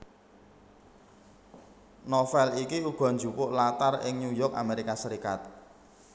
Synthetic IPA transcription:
nɔfɛlikiuɡ̥ɔ̤nd͡ʒṳpʊʔlat̪arɪ̰ŋɲujɔka̰meɾikasəɾikat̪̚

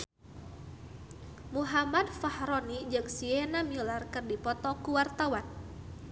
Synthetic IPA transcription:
muɦamadfahɾɔnid͡ʒɨŋsiɛnamilarkɨrdipɔt̪ɔkuwart̪awan

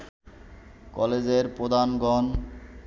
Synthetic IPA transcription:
kɔled͡ʑeɾpɾod̪ʱanɡɔn

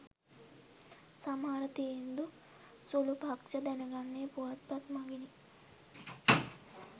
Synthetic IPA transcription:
sɐmaːɾɐt̪iend̪u | sulupɐkt͡ʃɐd̪ɛnɐɡɐɳːeːpuɐt̪̚pɐt̪mɐɡini

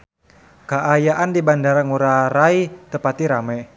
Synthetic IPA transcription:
kaʔajaʔandibandaɾaŋuɾaɾait̪əpat̪iɾamɛ

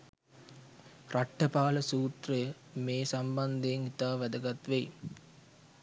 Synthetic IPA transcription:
rʔaʈːəpaːləsuːt̪rəjəmeːsamband̪ejːŋit̪aːʋæd̪əɡat̪ʋej

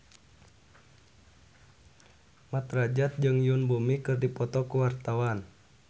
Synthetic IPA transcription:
mat̪rad͡ʒat̪̚d͡ʒɨŋjunbumikɨrdipɔt̪ɔkuwart̪awan

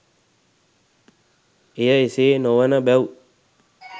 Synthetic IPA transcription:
ejaesenowanabɛw

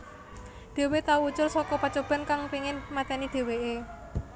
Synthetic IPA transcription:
d̪̥e̤wet̪auwut͡ʃʊrsɔkɔpat͡ʃob̥a̤nkaŋpiŋɪnmat̪ɛnid̥e̤wee

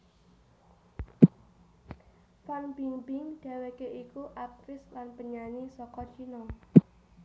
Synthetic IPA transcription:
fanbimbɪŋɖ̥a̤wekeʔikuʔap̚fɪslanpəɲanisɔkɔt͡ʃinɔ

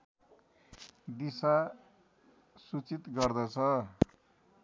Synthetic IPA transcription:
d̪isa | sut͡sit̪ɡʌrd̪ʌt͡sʰʌ

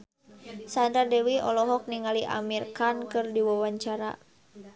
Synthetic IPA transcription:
sant̪ardɛwiɔlɔɦɔk̚niŋaliʔa̰mirkankɨrdiwawaɲt͡ʃaɾa̰

